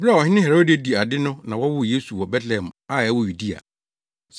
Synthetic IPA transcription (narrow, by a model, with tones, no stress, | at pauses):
ba˦˨ɔ˨ɦɪ˦nɪ̃˦hɛ˨ɾo˦di˨a˨˦di˨a˨dɪ˦nʊ̃˦nã˨wɔ˦wʊ˦je˦su˨wɔ˨bɛ˦tlɛ˨hɛ˨ma˦˨ɛ˦wʊ˦ju˨di˦a̰˨ | s